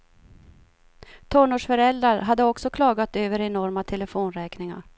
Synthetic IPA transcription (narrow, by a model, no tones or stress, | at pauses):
t̪ʰɔɳuːʂfœɾɛld̪ɾaɾɦad̪ːəɔksɔkʰlɑːɡat̪øːvəɾɛnɔɾmat̪ʰɛləfoːnɾɛːknɪŋa̰ɾ